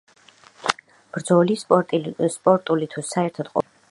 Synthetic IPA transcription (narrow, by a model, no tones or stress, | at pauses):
b̥ɾd̪zɔlispʼɔt̪ʼspʼɔɾt̪ʼulit̪ʰusaɛɾt̪ʰad̪qʼɔ̰